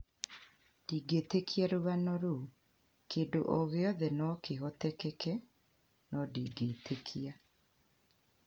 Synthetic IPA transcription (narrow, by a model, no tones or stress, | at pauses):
d̥iːɡeːtekiaɾoβanɔɾo | keːndoʔoɣeɔðɛnɔkeɦɔtɛkɛkɛ | nɔdiːɡeːtʰekʰia